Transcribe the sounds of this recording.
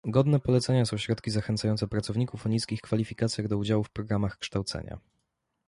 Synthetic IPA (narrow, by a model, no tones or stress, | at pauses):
ɡɔd̪nɛpɔlɛt̪sɛɲasɔ̃w̃ɕɾɔt̪kʲizaxɛnt̪sajɔnt̪ɛpɾat̪sɔvɲikufɔɲiskʲixkfalʲifʲikat̪sʲjaɡd̪ɔud͡ʑawufpɾɔɡɾamaxkʂt̪awt̪sɛ̰ɲa̰